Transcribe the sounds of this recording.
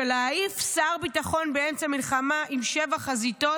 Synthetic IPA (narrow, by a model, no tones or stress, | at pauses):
elaaifsaʁbitaχo̞nbeemt͡samilχamaʔimʃe̞vaχazito̞